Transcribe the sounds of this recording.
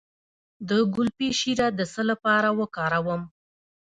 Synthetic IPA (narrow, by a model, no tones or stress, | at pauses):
d̪əɡʊlpiʃiɾad̪əsəlapɑɾawəkɑɾawəm